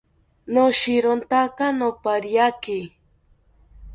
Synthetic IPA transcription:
noʃɪɾont̪akanopaɾjakɪ

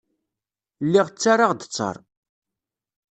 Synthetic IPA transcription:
lːiʁt͡sːaɾaʁd̪ət͡sːɑ̰ɾˤ

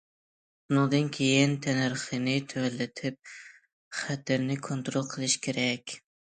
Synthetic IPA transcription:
bʊnɨŋd̪ɨnkʲʰejɪnt̪ʰænɨɾχɨnɪt̪ʰæælːɪt̪ʰɪp̚ | χæt̪ɪɾnɪkʰont̪ɾolˠqʰəlˠɪʃkʲʰeɾɛkʲ

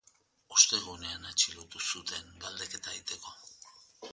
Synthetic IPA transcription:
ost̪e̞ɣune̞anat͡ʃilot̪usut̪e̞ŋɡald̪e̞ke̞t̪ait̪e̞ko̞

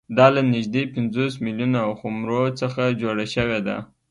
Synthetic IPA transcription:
d̪ɑlanɪʒd̪epɪnzos̬miljunaawxʊmɾot͡səxad͡ʒoɽaʃəwed̪a̰

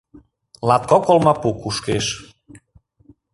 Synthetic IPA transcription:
lat̪̚kɔkolmapukuʃkeʃ

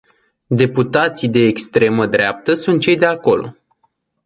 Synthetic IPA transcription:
d̪e̞put̪at̪sijd̪e̞ːkst̪ɾe̞məd̪ɾeap̚t̪əsunt̪̚t͡ʃe̞jd̪e̞ako̞lo̞̰

